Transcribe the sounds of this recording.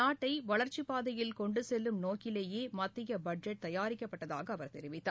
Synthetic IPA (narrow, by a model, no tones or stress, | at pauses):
aːʈːɐɪʋɐɭɐɾt͡ʃipaːðɐjɪlkɔɳɖɯsɛlːɯmnoːkɪleːjeːmɐt̪ːɪjɐbɐɖd͡ʒɛʈ̚t̪ɐjaːɾɪkːɐpːɐʈːɐðaːɣɐːʋɐɾt̪ɛɾɪʋɪt̪ːaː